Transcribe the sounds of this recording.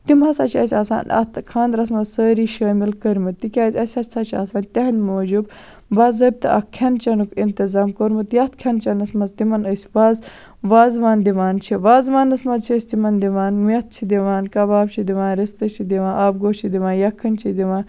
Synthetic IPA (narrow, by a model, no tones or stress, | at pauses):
t̪imɐsɐt͡ʃʰiɐsʲaːsa̰ːnɐ̰t̪kʰaːnd̪ɾɐsmɐzsəːɾiːʃɐːmilkəɾmɐt̪ikʲazʲɐsʲɐsɐt͡ʃʰa̰ːsaːnʲt̪ʲɐɦnmoːd͡ʒub | bazɐɾ̚t̪ɨ̰ʔɐ̰kʲʰːɐnt͡ʃɐnukint̪izaːmkoɾmɐt̪jɐt̪̚kʰʲɐnt͡ʃɐnɐsmɐzt̪imɐnəsʲʋaːz | ʋaːzʋaːnd̪iʋaːnt͡ʃʰiʋaːzʋaːnɐsmɐzt͡ʃʰiəsʲt̪imɐnd̪iʋaːnmiɐt̪̚t͡ʃʰid̪iʋaːnkɐbaːbt͡ʃʰid̪iʋaːnɾist̪ɐt͡ʃʰid̪iʋãːnʔaːb̚ɡoːt͡ʃʰid̪iʋaːnjɐkʰːɐnt͡ʃʰid̪iʋaːn